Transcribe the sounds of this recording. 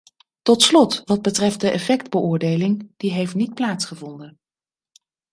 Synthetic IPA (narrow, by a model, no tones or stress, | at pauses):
tɔtslɔtʋɑd̚bətrɛft̚dəʔɛfɛkdbəʊːɹdejlɪŋd̥iɦejftnit̚plaːtsχəvɔndən